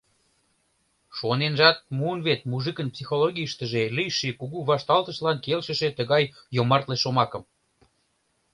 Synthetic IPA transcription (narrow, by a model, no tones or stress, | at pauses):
ʃonenʒɑt̪̚muənβet̪̚muʒɨkənpsixoloɣiʃt̪əʒelijʃikuɣuβɑʃt̪ɑlt̪ə̆ʃlɑnkelʃə̆ʃet̪əɣɑjː | omɑrt̪leʃomɑkə̆m